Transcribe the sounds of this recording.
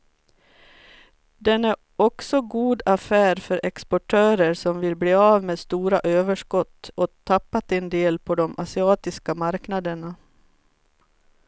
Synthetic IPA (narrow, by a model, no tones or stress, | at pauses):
d̪ɛnæɾ | ɔksɔɡuːd̪afæːɾfœɾʔɛkspɔʈʰøːɾəɾsɔmvɪlbleːɑːvmeːd̪st̪uːɾaʔøːvəʂkɔt̪ːɔt̪ʰapːat̪ɛnd̪eːlpʰɔd̪ɔmʔasɪɑːt̪ɪskamaɾknad̪əɳa